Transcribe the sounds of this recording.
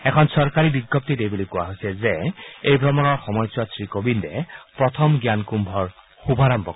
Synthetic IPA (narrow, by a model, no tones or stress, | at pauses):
ɛkʰɔnsɔɹkaɹibiɡjɔp̚tidejbulikuwaɦojsɛzɛejbʱɹɔmɔnɔɹxɔmɔjswasɹikobindɛpɹɔtʰɔmɡjankumbʱɔɹ | xubʱaɾɔmbʱɔk